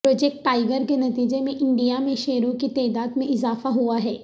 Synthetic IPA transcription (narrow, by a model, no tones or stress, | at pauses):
pɾoːd͡ʒɛk̚ʈːaːɪɡəɾkenɐt̪iːd͡ʒemẽʔɪ̃ɳɖijamẽʃeːɾõkit̪ɛːd̪aːd̪mẽʔɪzaːfaɦuaɦɛː